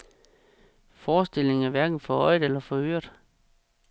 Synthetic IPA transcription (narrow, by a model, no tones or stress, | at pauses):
fɒːsd̥e̝l̰e̝ŋæɐʋæɐɡ̥n̩fɒ̽ɒɪd̥elɐfɒ̽ø̰ːɐd̥